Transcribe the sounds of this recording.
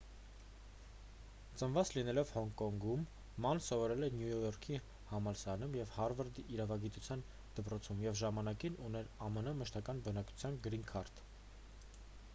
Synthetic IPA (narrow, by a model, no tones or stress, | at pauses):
t͡sənvɑt͡slinɛlɔvhɔŋkɔŋɡumː | ɑnsɔvɔɾɛlɛnjujɔjɔɾkʰi | hɑmɑlsɾɑnumjɛvhɑɾvəɾd̪iʔːɾɑvɑɡit̪ut͡sʰjɑn | d̪̥əpɾɔt͡sʰumjɛvʒɑmɑnɑkinunɛɾɑmənəməʃt̪ɑkɑnbənɑkt͡sʰu̥t͡sʰjɑnɡɾiŋkʰɑɾt̪ʰ